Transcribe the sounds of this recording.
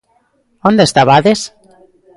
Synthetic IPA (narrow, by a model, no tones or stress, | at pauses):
ond̪est̪aβaðes